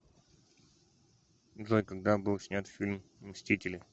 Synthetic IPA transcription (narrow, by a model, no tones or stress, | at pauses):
zojʲkɐɡ̚d̪abɨlˠsʲnʲat̪fʲilʲmmsʲtʲitʲɪlʲɪ